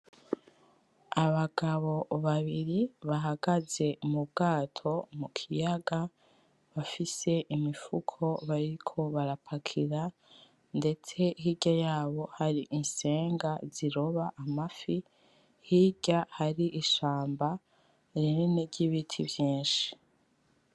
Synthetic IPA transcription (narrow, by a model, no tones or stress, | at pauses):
aβaɡ̥aβo̞βaβiɾiβaɦaɡ̥aze̞umuβɡaːtʰo̞mukʰijaɡa | βafise̞ʔimifukʰo̞βaɾikʰo̞βaɾapʰakʰiɾa | nde̞t͡se̞hiɟajaːβo̞haɾiʔinse̞ːŋɡaziɾo̞βaʔamafi | hiɟahaɾiʔːʃaːmba | ɾineneɾɟiβitʰivjiːnʃi̥